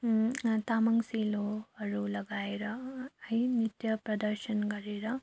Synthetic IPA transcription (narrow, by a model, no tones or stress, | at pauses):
t̪amɐŋɡsiloʌɾulɐɡaːeɾʌɦinit̪jɐpɾɐd̪əɾʃənɡʌɾeɾʌ